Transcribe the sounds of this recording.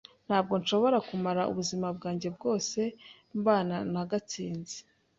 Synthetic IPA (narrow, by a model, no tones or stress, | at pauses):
n̥haːb̚ɡo̞nʃo̞βo̞ɾakumaɾaʔṵβuzimab̚ɡaːɲɟe̞bɡo̞ːse̞ | mbaːnanaɡat͡siːnzi̥